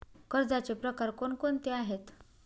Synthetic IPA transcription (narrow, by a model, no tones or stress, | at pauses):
kəɾd͡zat͡sepɾəkaɾkonkont̪eaɦet̪